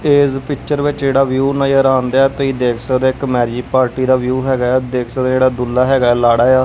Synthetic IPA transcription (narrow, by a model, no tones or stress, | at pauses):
eːzpɪkt͡ʃəɾʋɪt͡ʃd͡ʒeːɽaːʋjuːnaːjəɾaːnd̪aːt̪oiːd̪eːkʰsəd̪eːɪkmɛːɾd͡ʒiːpaːɾʈiːd̪aːʋjuːɦɛːɡaːd̪eːkʰsəd̪d͡ʒeːɽaːd̪ʊlːaːɦɛːɡaːɛːlaːɽaːjaː